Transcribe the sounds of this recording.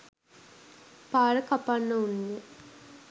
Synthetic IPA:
paːɾəkapanːəunːe

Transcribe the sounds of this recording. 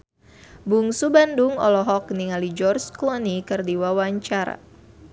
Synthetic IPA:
buŋsubanduŋɔ̰lɔɦɔk̚niŋalid͡ʒɔrsklɔnikɨrdiwawaɲt͡ʃaɾa̰

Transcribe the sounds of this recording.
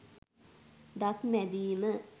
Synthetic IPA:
d̪ɐt̪mɛd̪iːmə

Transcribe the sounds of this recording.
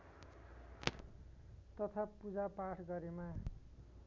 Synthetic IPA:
t̪ʌt̪ʰapud͡zapaʈʰɡʌɾema

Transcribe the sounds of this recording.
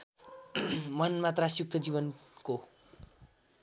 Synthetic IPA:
mʌnmat̪rasjuk̚t̪ʰʌd͡ziβʌnko

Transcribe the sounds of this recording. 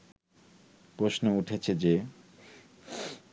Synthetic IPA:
pɾosnouʈʰet͡ɕʰed͡ʑe

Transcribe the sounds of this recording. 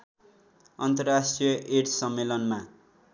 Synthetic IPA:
ʌnt̪ʌrːasʈijʌʔeʈsʌmːelʌnma

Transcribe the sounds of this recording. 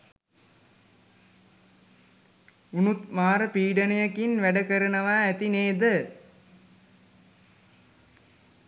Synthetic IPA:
unut̪maːɾəpiːɖɐnɐjɐkinʋæɖɐkɐɾɐnɐʋaːæt̪ineːd̪ə

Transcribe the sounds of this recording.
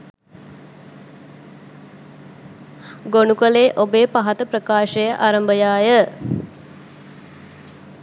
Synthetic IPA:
ɡonukəleːʔobeːpaɦat̪əprəkaːʃəjəʔaɾəmbəjaːjə

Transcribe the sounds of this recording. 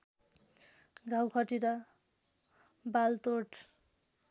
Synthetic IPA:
ɡʱawkʰʌʈiɾʌ | balt̪oʈ

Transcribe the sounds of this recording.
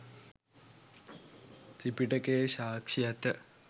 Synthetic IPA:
sipiʈəkejɕaːkʂijat̪ə

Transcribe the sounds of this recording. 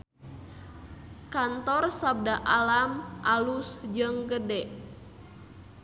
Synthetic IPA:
kant̪ɔrsab̚daʔalamʔalusd͡ʒəŋɡədɛʔ

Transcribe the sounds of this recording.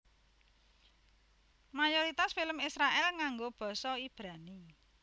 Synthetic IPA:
majoɾit̪asfiləmisɾaʔɛlŋaŋɡob̥ɔ̤sɔib̥ɾani

